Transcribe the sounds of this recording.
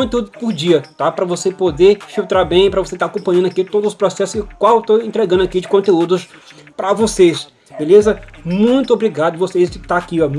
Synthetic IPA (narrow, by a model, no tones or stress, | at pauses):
õnt̪eud̪ʊpʊɾd͡ʒiɐt̪apɾɐvosepod̪efiwt̪ɾaɾbẽj̃pɾɐvoset̪akõpɐ̃ɲ̃ɐ̃nakit̪od̪ʊzʊspɾɔsɛsʊskwawewt̪oẽnt̪ɾeɡɐ̃nd̪ʊakid͡ʒɪkõnt̪eud̪ʊs | pɾɐvoses | belezɐmũj̃t̪ʊobɾiɡad̪ʊɐvosezd͡ʒɪt̪aakiɔ